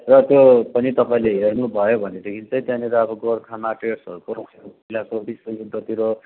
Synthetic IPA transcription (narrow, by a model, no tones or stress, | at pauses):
rʌt̪jopʌnit̪ʌpaĩleɦernubʱʌjobʱʌned̪ekʰint͡sʌj̃t̪jãniɾaʌbʌɡorkʰamaʈersɦʌɾukoɾʌksʰpʌilakobiswʌɡud̪ʌt̪iɾo